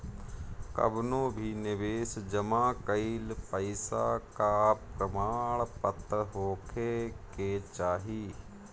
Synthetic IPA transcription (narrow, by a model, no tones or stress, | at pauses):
kɐ̰bnõːbʱinɪʋeːsd͡ʒəmaːkəilpəɪsa̰kapɾəmaːɭpət̪ɾəɦoːkʰeket͡ʃaːɦiː